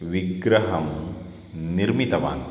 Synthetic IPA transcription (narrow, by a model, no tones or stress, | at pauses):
ʋiɡɾɐɦɐm | niɾmit̪ɐʋa̰ːn